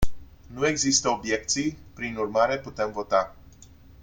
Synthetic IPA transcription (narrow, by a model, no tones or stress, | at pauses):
nue̞ɡzist̪əobje̞k̚t̪sijpɾinurmaɾe̞put̪e̞mvo̞t̪a